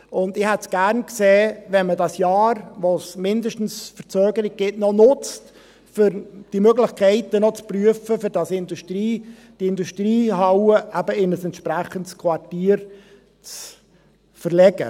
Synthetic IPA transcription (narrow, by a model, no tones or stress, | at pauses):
ʊnd̪ɪhɛtsɡ̥æɾnkseːʋɛnmədɑsjɑːɾʋosmɪndəʃtn̩sfəɾt͡søːɡəɾɪɡ̚ɡ̥ɪtnɔnʊt͡st | fʏɾd̥imøɡlɪχkʰɛɪtənɔt͡spryəfəfʏɾdɑsɪnduʃtɾiː | d̥iɪnduʃtɾiːɦɑwəʔæbəɪnəsɛntʃpɾæχəntskʰwɑtiːɾ | t͡s | fəɾlɛɡ̥ə̰